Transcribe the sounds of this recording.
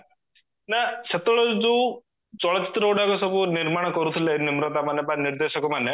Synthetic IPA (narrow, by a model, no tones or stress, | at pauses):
naset̪ɔɭɔd͡ʒu | t͡ʃɔɭɔt͡ʃi̥t̪ɾɔwɽakɔsɔbuniɾmaɽ̃ɔkɔɾut̪ʰilenimɾɔt̪amanebaniɾd̪eʃɔkɔmane